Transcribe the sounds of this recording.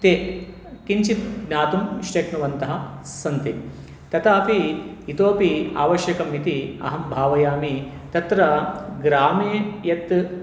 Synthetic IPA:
t̪eː | kiɲt͡ʃit̪̚ɡnjaːt̪umʃʈeʈnuʋɐnt̪ɐɦɐsɐnt̪i | t̪ɐt̪aːpiːt̪oːpia̰ːʋɐʃjɐkɐmit̪iɐ̰ɦɐmbʱaːʋɐjaːmi | t̪ɐt̪ɾɐɡɾaːmeːjɐt̪

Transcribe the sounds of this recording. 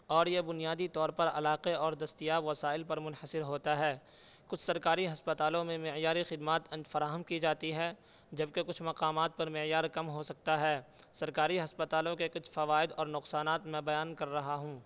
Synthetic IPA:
ɔːɾjebʊnijaːd̪it̪ɔːɾpɐɾɐ̰laːqeɔːɾd̪ɐst̪ijaːʋɐsaːɪlpɐɾmʊnhəsɪɾɦoːt̪aɦɛː | kʊt͡ʃʰsɐɾkaːɾiɦɐspət̪aːlõmẽmɪjaːɾixɪd̪maːt̪ɐ̃nd͡ʒfɐɾaːɦəmkid͡ʒaːt̪iɦɛː | d͡ʒɐb̚kekʊt͡ʃʰmɐqaːmaːt̪̚pɐɾmɪjaːɾkɐmɦosɐk̚t̪aɦɛː | sɐɾkaːɾiɦɐspət̪aːlõkekʊt͡ʃʰfɐʋaːɪd̪ɔːɾnʊqsaːnaːt̪mɛ̃bɐjaːnkɐɾːɐɦaɦũː

